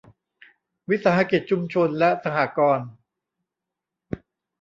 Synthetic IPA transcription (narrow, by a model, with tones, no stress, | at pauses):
wi˦˥t̪̚saː˧˦ha˧ki˨˩t̪̚t͡ɕʰu˧mt͡ɕʰo˧nlɛ˦˥sa˧haː˨˩kɔː˧n